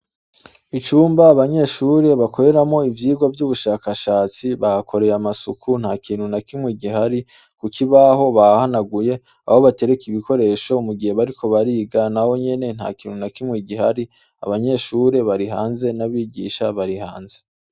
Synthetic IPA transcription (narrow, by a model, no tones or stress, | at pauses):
it͡ʃuːmbaːβaɲe̞ːʃuːɾe̞βakʰo̞ɾe̞ɾamo̞ivjiːɡwavjuβuʃaːkaʃaːt͡siβahakʰo̞ɾe̞jamasukʰun̥haːkiːnhunakimwiːɡiɦaɾi | kukʰiβaɦo̞βaahanaɡuje̞ | a̰ho̞βate̞ɾekiβiko̞ɾe̞ːʃo̞muɡihe̞βaɾiko̞βaɾiːɡanaho̞ɲe̞ne̞n̥ha̰ːkiːnhunakimŋwiːɡihaɾi | a̰βaɲe̞ːʃuːɾe̞βaɾiɦaːnze̞naβiːɟḭʃaβaɾihaːnze